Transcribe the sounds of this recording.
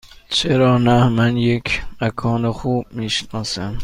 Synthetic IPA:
t͡ʃʰeɾɒːnæmænjekʰmækʰɒːnexuːb̥̚miːʃnɒːsæm

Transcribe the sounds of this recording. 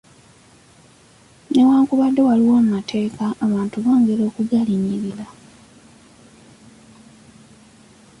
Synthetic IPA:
ne̞waːŋkuβadːe̞waliwomumatʰe̞ːkaːβaːntuβo̞ːŋɡe̞ɾo̞ːkuɡaliɲiɾiɾa

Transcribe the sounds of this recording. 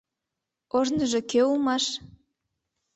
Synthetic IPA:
ornəʒekøulmɑʃ

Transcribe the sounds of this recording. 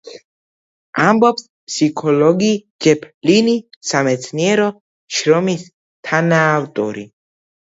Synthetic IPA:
ambɔps | pʰsikʰɔlɔɡi | d͡ʒɛpʰlinisamɛt̪sʰniɛɾɔ | ʃɾɔmis | t̪ʰanaːft̪ʼɔ̰ɾi

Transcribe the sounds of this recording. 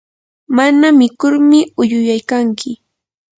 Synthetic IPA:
manamɪkʊɾmɪʊjʊjajkaŋkʰɪ

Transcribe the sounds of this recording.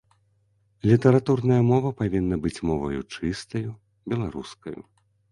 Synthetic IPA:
lʲit̪ɐɾat̪urnɐjɐmɔvɐpavʲinːɐbɨt͡sʲmɔvɐ̰jṵt͡ʂɨst̪ɐju | bʲɛlˠaɾṵskɐjṵ

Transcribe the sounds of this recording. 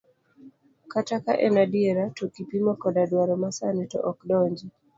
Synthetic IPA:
kataka̰ʔɛnadiɛɾatokipimɔkɔdadwaɾɔmasanɛtɔ̰ʔɔkdɔɲd͡ʒi

